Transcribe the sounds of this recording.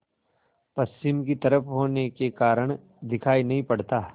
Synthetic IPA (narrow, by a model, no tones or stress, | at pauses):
pɐst͡ʃɪmkit̪ɐɾəfɦoːnekekaːɾəɽ̃ | d̪ɪkʰaːinɐɦĩpɐɽt̪aː